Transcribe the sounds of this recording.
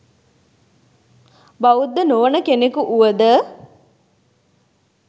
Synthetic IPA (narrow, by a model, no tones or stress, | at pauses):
bɐʋud̪ːənoʋənəkenekuʔuʋəd̪ə